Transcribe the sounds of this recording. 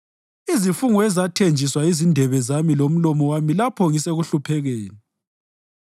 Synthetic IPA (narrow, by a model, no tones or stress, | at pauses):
izifuŋuɛzatʰend͡ʒʱiswaizindʱɛβɛzamilom̩lɔmɔwamilapʰɔŋiseɣuɬupʰɛɣɛːni